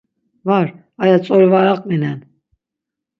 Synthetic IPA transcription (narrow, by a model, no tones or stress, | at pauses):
vaɾ | ajat͡sʼɔɾvaɾaqʼminɛn